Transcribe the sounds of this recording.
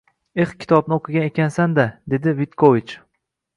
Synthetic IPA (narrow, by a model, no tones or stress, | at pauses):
e̞χkʲʰɪ̥t̪ʰɒbnɪoqʰɨɡʲanekʲansand̪ad̪e̞d̪ɪvit̪kʰovit͡ʃ